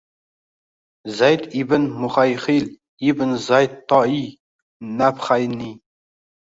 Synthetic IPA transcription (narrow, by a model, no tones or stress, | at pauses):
zæjt̪ibɪnmuχæjχil | ibnzæjt̪ːɑi | næpχæjni